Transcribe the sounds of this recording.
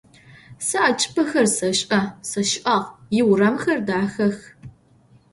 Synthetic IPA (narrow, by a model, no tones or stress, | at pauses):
sɨʔat͡ʃʼɪ̥pʰɐxɐrsɐɕʼʔɐsɐʃɪʔɐʁjɪwrɐmxɐrdaːxɐx